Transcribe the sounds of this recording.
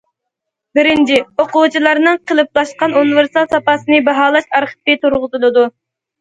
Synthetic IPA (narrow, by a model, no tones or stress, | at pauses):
bɪɾɪnt͡ʃʰioqʊt͡ʃʰilˠɑɾnɨŋqʰəlˠɨp̚lˠɑʃqɑnunɨveɾsɑlˠsɑpɑsɨnɨbɑɦɑːlˠɑʃɑɾχə̥pɨt̪ʰuɾʁʊzɨlˠɨd̪u